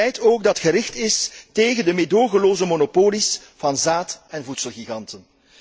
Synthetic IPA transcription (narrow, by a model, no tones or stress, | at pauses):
ɛjtoːɡdɑtxəɾɪxtɪsteːɣəndəmedoːɣəloːzəmonopoːlis | v̥ɑnzaːtɛnvutsəlˠɣiɣɑntən